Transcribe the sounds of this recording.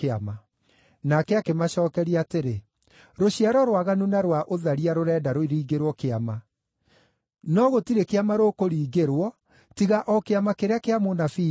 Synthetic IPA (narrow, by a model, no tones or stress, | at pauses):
ama | nakɛakemaɕɔːkɛɾiaːteɾe | ɾoɕiaɾɔɾwaɣanunaɾwaʔoðaɾiaɾoɾɛːdaɾoiɾiːɡeɾwɔkeama | nɔɣotiɾekeamaɾokoɾiːɡeɾwɔ | tiɣaʔɔkeamakeɾeakeamonafiː